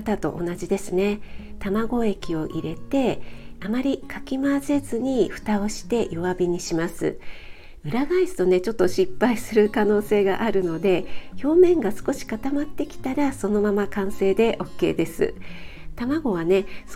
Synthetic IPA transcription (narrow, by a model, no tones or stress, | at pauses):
t̪at̪o̞̰ʔonaʑid̪e̞sɨne̞t̪amaɡo̞e̞kʲio̞ʔiɾe̞t̪e̞amaɾʲikʰakʲimase̞zɨɲ̟iɸɯ̟̥t̪ao̞ɕi̥t̪e̞joβabʲiɲ̟iɕimasɨ̰ | ɯ̟ɾaɡaisɨ̥t̪o̞ne̞t͡ɕo̞t̪ːo̞ɕipːaisɨɾɯ̟kano̞ːse̞ːɡaʔaɾɯ̟no̞d̪e̞ço̞ːmẽ̞ŋɡasɨ̥ko̞ɕi̥kat̪amat̪ːe̞kʲi̥t̪aɾaso̞no̞mamakãɰ̃se̞ːd̪e̞ʔo̞kːe̞̰ːd̪e̞sɨ̰t̪amaɡo̞β̞ane̞s